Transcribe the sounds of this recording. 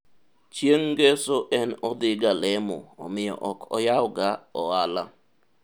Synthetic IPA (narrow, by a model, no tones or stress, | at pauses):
t͡ʃjeŋɡesoʔɛnɔd̪ɪɡalɛmɔ̰ɔ̰mɪjɔ̰ʔɔkʰɔ̰jawɡaɔala